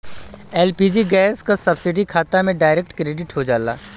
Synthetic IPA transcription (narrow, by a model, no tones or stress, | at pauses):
ɛːlpiːd͡ʒiɡɛːskasɐbsɪɖikʰaːt̪amẽɖaːɪɾek̚ʈkɾeːɖɪʈɦod͡ʒaːla̰ː